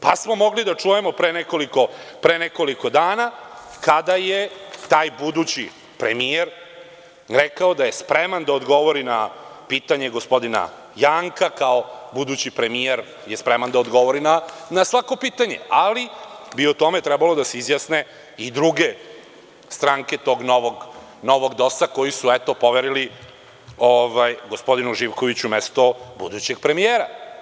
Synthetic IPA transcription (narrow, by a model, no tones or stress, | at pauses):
pasmo̞mo̞ɡlid̪at͡ʂujemopɾeneko̞liko̞pɾeneko̞liko̞d̪aːnakad̪ajet̪aːjbud̪ut͡ɕi | pɾemijeɾ | ɾekaod̪aje̞spɾemand̪aod̪ɡo̞ʋo̞ɾina̰piːt̪aɲe̞ɡospo̞d̪ina̰ | jaːŋkakaobud̪ut͡ɕipɾe̞mijeɾ | jespɾemand̪aod̪ɡo̞ʋo̞ɾinanasʋako̞piːt̪aɲe̞̰alibiot̪o̞met̪ɾɛbalo̞d̪aseizjasne̞ | id̪ɾuɡe̞ | st̪ɾaːŋke̞t̪o̞ːɡnoʋoɡ | no̞ʋo̞ɡd̪o̞sako̞jisuet̪o̞po̞ʋeɾili | oʋajɡo̞spo̞d̪inuʒiʋko̞ʋit͡ɕumest̪o̞bṵd̪ut͡ɕe̞ɡ̚pɾe̞mijeːɾa